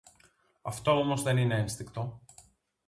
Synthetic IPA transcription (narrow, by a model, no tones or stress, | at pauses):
ɐft̪o̞omo̞zðe̞nine̞enst̪ikt̪o̞